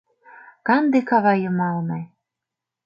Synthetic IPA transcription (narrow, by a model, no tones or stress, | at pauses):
kɑnd̪ekɑβɑjɤ̆mɑlnɑj